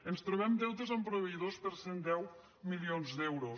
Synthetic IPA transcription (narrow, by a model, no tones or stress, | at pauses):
ənst̪ɾoβɛmd̪ɛwt̪əzampɾoβeiðospəɾsend̪ɛw | milionzd̪ɛwɾo